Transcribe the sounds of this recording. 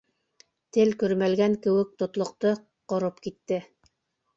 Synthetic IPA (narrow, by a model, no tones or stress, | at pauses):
t̪ɘlkɵ̆ɾmælɡæŋkɘ̆wɘ̆k̚t̪ŏt̪lˠŏq̚t̪ɤ | qŏɾopkit̪ːɘ